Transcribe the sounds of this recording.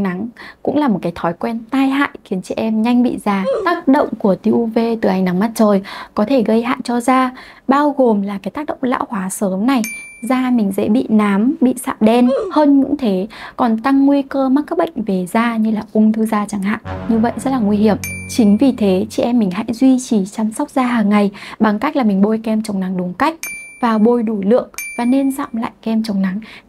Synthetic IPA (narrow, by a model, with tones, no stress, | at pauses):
ŋna˨˦ŋkʊ̰˧˥ŋ͡mla˨˩mo˨˩kaː˨˦t̪ʰɔ˨˦jkwɛ˧nt̪aː˧jɦa̰ː˧˨jxi˨˦ənt͡ɕɛ̰˧˩˨ʔɛ˧mɲa˧jŋ̟ɓḭ˧˨zaː˧˩t̪aː˦˥k̚ɗə̰˧˨wŋ͡mku˧˩ət̪i˧ʔu˧ve˧t̪ɨ˨˩ʔa˧jŋna˨˦ŋma˦˥t̚t͡ɕəː˨˩jkɔ˨˦t̪ʰe˧˩ɣə˧jha̰ː˧˨jt͡ɕɔ˧zaː˧ | ɓaː˧wɣo˨˩mlaː˨˩kaː˨˦jt̪aː˦˥k̚ɗə̰˧˨wŋ͡mla̰ː˧˥whwaː˨˦səː˨˦mna˨˩jzaː˧mï˨˩ŋ̟zɛ̰˧˥ɓḭ˧˨naː˨˦mɓḭ˧˨sa̰ː˧˨ɗɛ˧nhəː˧nɲʊ̰˧˥ŋ͡mt̪ʰe˨˦kɔ˨˩nt̪a˧ŋːwi˧kəː˧ma˦˥k̚aː˦˥k̚ɓə̰˧˨jŋ̟ve˨˩zaː˧ɲɨ˧laː˨˩ʔʊ˧ŋ͡mt̪ʰɨː˧zaː˧t͡ɕa˨˦ŋɦa̰ː˧˨nɲɨ˧və̰˧˨jzə˦˥t̚laː˨˩ŋwi˧hi˧˩əmt͡ɕï˨˦ŋ̟vi˨˩t̪ʰe˨˦t͡ɕḭ˧˩ʔɛ˧mːï˨˩ŋ̟ha̰˧˥jzwi˧t͡ɕi˧˩t͡ɕa˧msa˦˥k͡p̚zaː˧ɦaː˨˩ŋːa˨˩jɓa˨˩ŋka˦˥jk̚la˨˩mï˨˩ŋ̟ɓo˧jkɛ˧mt͡ɕə˨˩wŋ͡mna˨˦ŋɗʊ˨˦ŋ͡mka˦˥jk̚vaː˨˩ɓo˧˩jɗu˧˩lɨ̰˧˨əŋvaː˨˩ne˧nza̰ː˧˨mla̰ː˧˨jkɛ˧mt͡ɕə˨˩wŋ͡mna˨˦ŋ